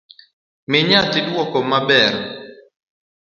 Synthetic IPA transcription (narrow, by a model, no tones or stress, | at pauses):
mɪɲatɪdwɔkɔmabɛɾ